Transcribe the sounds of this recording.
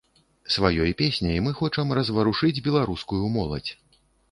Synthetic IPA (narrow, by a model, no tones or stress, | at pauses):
svajɔjpʲesʲnʲɐjmɨxɔt͡ʂɐmrɐzvɐɾuʂɨd͡zʲbʲɛlˠaɾuskujumɔlˠɐ̰t͡sʲ